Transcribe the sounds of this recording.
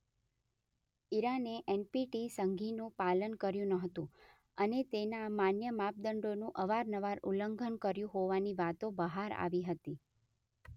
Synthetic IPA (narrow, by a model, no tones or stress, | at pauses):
iɾaneʔenpiʈisəŋɡʱinũpalənkəɾjũnəɦət̪ũ | ənet̪enamanjəmap̚d̪əɳɖonũʔəʋaɾnəʋaɾuləŋɡʱənkəɾjũɦoʋaniʋat̪obəɦaɾa̰ʋiɦət̪i